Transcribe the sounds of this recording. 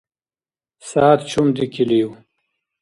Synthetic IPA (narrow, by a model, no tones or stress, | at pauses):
saːt̪t͡ʃʰumd̪ikʰiliuw